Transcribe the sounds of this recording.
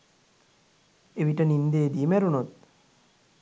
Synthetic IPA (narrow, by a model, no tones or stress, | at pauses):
eʋiʈənind̪eːd̪imæɾunot̪̚